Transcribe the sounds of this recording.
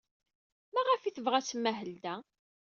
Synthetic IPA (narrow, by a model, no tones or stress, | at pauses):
mæʁəfiθəvʁæsmːæɦəld̪æ